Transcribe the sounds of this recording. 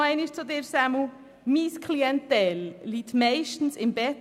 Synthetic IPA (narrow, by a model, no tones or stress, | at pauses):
ɛɪniʃt͡sod̪ɪɾsæmu | miskʰliɛnt̪ɛlːitmɛɪʃtn̩sɪmbɛ